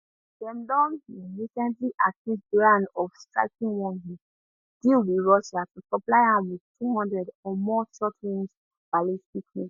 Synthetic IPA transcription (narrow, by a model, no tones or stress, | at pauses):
dɛ̃mdɔ̃niɹisɛ̃ntliʔatĩsbɹãnɔfsta̰kĩnwɔ̃nɦi | dilwiɹɔʃatusɔ̃plaɪãmwiðtuhɔ̃ndɹɛdɔmɔʃɔtʰɹĩms | b̥alistiknĩ